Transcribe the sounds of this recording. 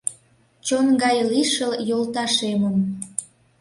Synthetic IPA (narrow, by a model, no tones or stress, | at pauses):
t͡ɕonɡɑjliʃəljolt̪ɑʃeməm